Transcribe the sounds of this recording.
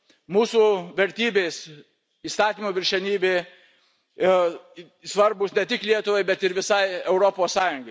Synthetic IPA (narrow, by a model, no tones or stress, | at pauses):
muːsuʋʲɛɾʲt̪ʲiːbʲeːs | iːst̪ɑːt̪ʲiːmoːʋʲɪɾʲʃʲɛnʲiːbʲeː | sʋɐɾbʊsnʲɛt̪ʲɪklʲiɛt̪ʊʋɐɪbʲɛt̪ɪɾʋʲɪsɐɪɛʊɾopoːssɑːjʊŋɡɐɪ